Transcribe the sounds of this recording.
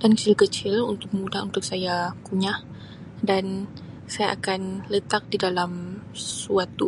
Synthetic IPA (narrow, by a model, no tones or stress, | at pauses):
d̥ankə̥t͡ʃɪlkət͡ʃɪlunt̪ʊk̚mudahunt̪ʊk̚sajakuɲah | dan | sajaʔakanlət̪ak̚didalamsuat̪u